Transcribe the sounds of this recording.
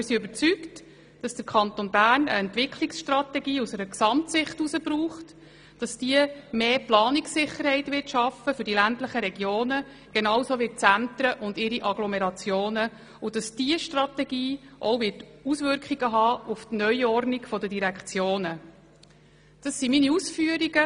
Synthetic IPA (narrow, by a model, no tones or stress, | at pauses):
ɪsiøbəɾt͡sykt | d̥ɑsd̥əɾkʰɑntonbæːɾnə̰ɛntvʋɪkʰliksʃtrɑt̪ɛɡiːusɛɾəksɑmtsɪχtusəbɾuːχt | d̥ɑsd̥iəmeːplɑːniksɪχːəɾhɛɪtʋɪtʃɑfəfʏɾdilæntləχəɾɛɡjoːnə | ɡ̥enɑwsoːʋɪt̚t͡sænt̪ɾəʔʊndɪɾiʔɑɡlɔmeɾɑt͡sjoːnə | ʊd̥ɑsd̥iəʃtrɑtɛɡ̥iːʔɔʊvɪtusʋʏɾkχiɡəɦɑːuftnœʏɔɾnikfɔdədiɾækχt͡sjoːnə | d̥ɑsːiminiusfyəɾiɡə